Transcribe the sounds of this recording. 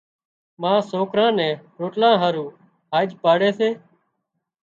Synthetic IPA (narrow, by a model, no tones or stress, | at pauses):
mãːsoːkɾãːnɛ̃ːɾoːʈlãːɦaːɾũː | ɦaːd͡ʒpaːɽeːseː